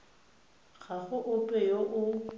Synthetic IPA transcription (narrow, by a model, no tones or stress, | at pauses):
ɣaɣʊʔʊpʼɛjoʔʊ